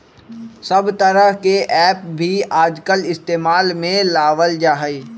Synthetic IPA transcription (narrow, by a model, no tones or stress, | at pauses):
sɐbt̪əɾəɦkeʔɛːp̚bʱiaːd͡ʒkəlɪst̪eːmaːlmẽlaːʋəld͡ʒaːɦəiː